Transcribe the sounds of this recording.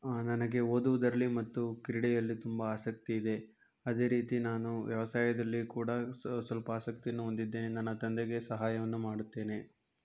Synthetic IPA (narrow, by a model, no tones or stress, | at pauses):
nɐnɐɡe̞oːd̪uʋud̪ɐɾɐlːimɐt̪ːukiɾiɽɛjɐlːit̪umbɐaːsɐk̚t̪iːd̪e̞ | ɐd̪e̞ːɾiːt̪inaːnuʋjɐʋɐsaːjɐd̪ɐlːikuːɽɐsʋɐlpɐaːsɐk̚t̪ijɐnːuɦond̪id̪ːe̞ːnenɐnːɐt̪ɐnd̪eɡe̞sɐɦaːjɐʋɐnːumaːɽut̪ːe̞ːne̞